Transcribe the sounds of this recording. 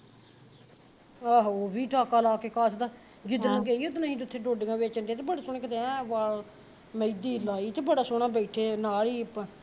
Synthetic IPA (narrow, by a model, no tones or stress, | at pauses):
aɦoːbiːʈaːkaːlaːkeːkaːsd̪a | d͡ʒɪd̪nãːɡeːiːod̪naɦĩːt̪ʊt̪ʰːeːɖoːɖɪŋɡãːbeːt͡ʃənɖeːt̪ebəɽesʊɳ̃ẽːkət̪eɛ̃ːʋaːl | məid̪iːlaːiːt̪eːbəɽaːsoːɽaːbəiʈʰeːnaːɽiːp